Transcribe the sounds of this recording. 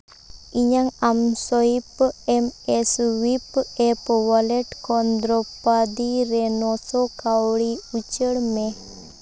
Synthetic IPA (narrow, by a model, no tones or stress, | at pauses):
iɲaŋamsɔipɛmɛswipɛpwaleʈkɔnd̪ɾɔpad̪iɾenɔsɔkawɽiut͡ʃəɽmẽ